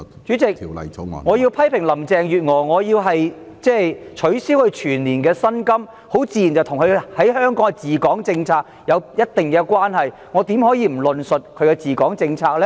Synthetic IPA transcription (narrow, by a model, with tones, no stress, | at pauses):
t͡ʃyː˨˥t͡sɪ˨k̚ːwlɐ̰˨j̰ŋɔː˨˧jiː˧wpʰɐ˥jpʰɪ˨˩ŋlɐ˨˩mt͡sɛː˨ŋjyː˨t̚ŋɔː˨˩ŋɔː˨˧jiː˧wɦɐ˨j | t͡sɛː˥jt͡ʃʰɵ˨˥ɥsiː˥whɵ˧ɥt͡ʃʰyː˨˩nliː˨˩nkɛː˧sɐ˥nkɐ˥m | ho˨˥wt͡siː˧jnt͡sɐ˨wt̪ʰʊ˨˩ŋkʰɵ˧hɐ˨˥jhœː˥ŋkɔː˨˥ŋkɛ˧t͡siː˨˩kɔː˨˥ŋt͡sɪ˧ŋt͡sʰaː˧k̚jɐ˨˧wjɐ˥t̚t̪ɪ˨ŋkɛː˧kʷwaː˥nɦɐ˨j | ŋɔː˨˧t̪iː˨˧˥mhɔː˨˥jiː˧m̩˨˩lɵ˨nsɵ˨t̚kʰɵ˨˧ɥkɛ˧t͡siː˨kɔː˨˥ŋt͡sɪ˧ŋt͡sʰaː˧k̚lɛ˥